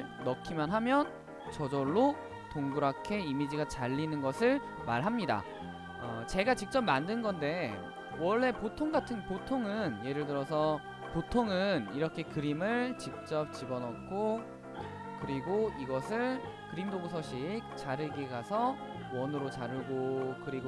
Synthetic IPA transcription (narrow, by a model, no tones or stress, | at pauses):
ɭ | nʌkʰimjʌnɦamjʌn | t͡ɕʌd͡ʑʌɭːo | toŋɡuɾakʰe̞imid͡ʑiɡat͡ɕaʎːinɯnɡʌsʰɯɭ | maɭɦamɲida̰ | ʌt͡ɕe̞ɡat͡ɕik̚t͡ɕ͈ʌp̚mandɯnɡʌnde̞ | wʌɭːe̞potʰoŋɡatʰɯnpotʰoŋɯnje̞ɾɯɭt̬ɯɾʌsʰʌ | potʰoŋɯniɾʌkʰe̞kɯɾimɯɭt͡ɕik̚t͡ɕ͈ʌp̚t͡ɕibʌnʌk̚k͈o | kɯɾiɡoiɡʌsʰɯɭ | kɯɾimdoɡus̬ʰʌɕʰik̚t͡ɕaɾɯɭɡeɡasʰʌ | wʌnɯɾot͡ɕaɾɯɭɡokɯɾiɡo